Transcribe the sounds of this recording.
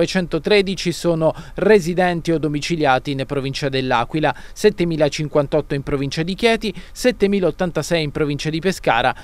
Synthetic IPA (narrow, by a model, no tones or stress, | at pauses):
vet͡ʃɛnt̪ot̪ɾeːd̪it͡ʃisoːnorezid̪ɛnt̪iod̪omit͡ʃiljaːt̪inpɾovint͡ʃad̪elːa̰ːkwila | sɛt̪ːemiːlat͡ʃiŋkwant̪ɔt̪ːoimpɾovint͡ʃad̪ikjɛːt̪isɛt̪ːemiːlaot̪ːant̪asɛjimpɾovint͡ʃad̪ipeska̰ːɾa